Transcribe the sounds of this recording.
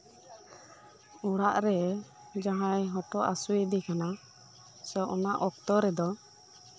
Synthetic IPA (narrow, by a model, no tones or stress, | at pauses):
uɽaʔɾɛ | d͡ʒaɦãjɦɔʈɔʔa̰suid̪ikana | sɔʔɔnaʔɔk̚t̪ɔɾɛd̪ɔ